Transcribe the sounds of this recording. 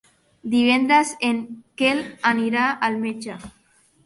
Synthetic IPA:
d̪iβend̪aseŋkelaniɾaːlmet͡ʃa

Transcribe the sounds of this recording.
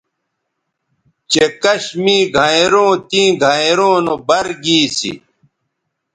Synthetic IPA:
t͡ɕekɐɕmiːɡʱaeɾõːt̪ĩːɡʱaeɾõːnobɐɾɡiːsḭ

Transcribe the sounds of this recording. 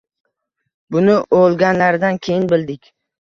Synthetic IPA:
bʊnɪʔolˠɡʲanlaɾd̪ankʲʰejɪnbɪld̪ɪkʲ

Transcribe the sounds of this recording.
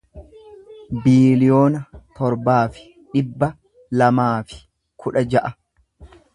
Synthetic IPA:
biːlɪjo̞ːnɐt̪ɔɾbaːfɪ̥ | ᶑɪbːɐ | lɐmaːfɪ̥ | kʰʊᶑɐd͡ʒɐʔɐ

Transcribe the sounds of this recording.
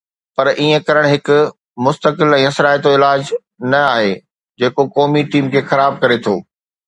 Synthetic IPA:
pɐɾiːẽkɐɾəɽ̃ɦɪkʊ̆ | mʊst̪əkɪlɛ̃ːɐsɾaːjt̪̬oɪlaːd͡ʑ | nɐaːɦe | d͡ʑeːkokɔːmiʈiːmkʰeːxɐɾaːb̚kɐɾet̪ʰoː

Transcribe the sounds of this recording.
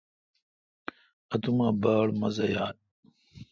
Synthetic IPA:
ɐt̪umaːbaːɭmɐzɐjaː

